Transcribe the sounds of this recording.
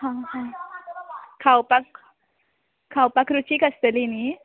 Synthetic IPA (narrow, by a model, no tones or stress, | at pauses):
hãhã | kʰawpak | kʰawpakɾut͡ɕikəst̪əlini